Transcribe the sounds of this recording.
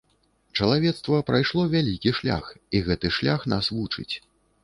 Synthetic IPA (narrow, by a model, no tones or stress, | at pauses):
t͡ʂɐlˠavʲɛt̪st̪vɐpɾajʂlˠɔvʲalʲikʲiʂlʲa̰xiɣɛt̪ɨʂlʲaxnasvut͡ʂɨ̰t͡sʲ